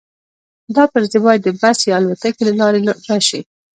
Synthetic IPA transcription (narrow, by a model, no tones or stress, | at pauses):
d̪ɑpəɾzebɑjad̪ːəbasjɑalwat̪akelalɑɾeɾaʃi